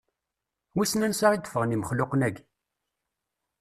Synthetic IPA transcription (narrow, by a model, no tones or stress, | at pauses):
wisnænsaʁid̪ə̥fəʁniməχlʊqnæɡ